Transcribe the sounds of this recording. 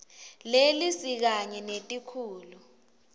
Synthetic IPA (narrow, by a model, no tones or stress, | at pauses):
lelisik̬aɲɛnetʼikʰuːlu